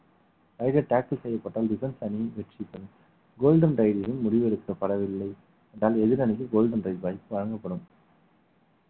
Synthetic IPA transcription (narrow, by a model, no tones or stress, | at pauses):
ɐɪɾɐʈaːkɐlsɛjːɐpːɐʈːaːlɖɪfɛnsɐnɪjɯmʋɛʈrɪpːɐðɯ | ɡoːlɖɐnɾɐɪðɪɾɯmmʊɽɪʋɛɽɯkːɪɾɐpɐɽɐʋɪlːɐɪ | ɛndaːlɛðɪɾɐnɪk̬ːɯɡoːlɖɐnɾɐɪðbaːjpːɯʋɐɻɐŋɡɐpːɐɽɯm